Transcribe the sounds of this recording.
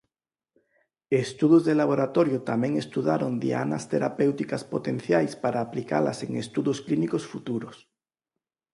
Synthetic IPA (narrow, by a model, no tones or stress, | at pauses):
est̪uðozðelaβ̞oɾat̪oɾjot̪amẽŋest̪uðaɾond̪ḭa̰na̰st̪eɾapewt̪ikaspot̪en̟θjajspaɾaːplika̰la̰seŋest̪uðosklinikosfut̪uɾos